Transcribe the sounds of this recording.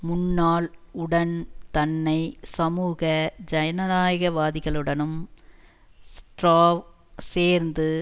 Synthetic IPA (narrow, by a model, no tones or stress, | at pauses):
mʊnːaːlʊɽɐnt̪ɐnːɐɪsɐmuːɣɐd͡ʒɐjɐnɐnaːjɐɣɐʋaːðɪɣɐɭɯɽɐnɯm | sʈɾaːʋ | seːɾnd̪ɯ